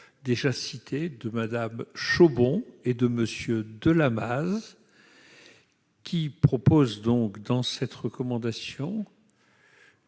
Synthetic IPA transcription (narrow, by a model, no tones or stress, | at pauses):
d̪eʒasit̪ʰed̪əmad̪amʃobɔ̃ed̪əməsjød̪əlamaz | kʲipχɔpozd̪ɔ̃kd̪ɑ̃sɛt̪ʁəkɔmɑ̃d̪asjɔ̃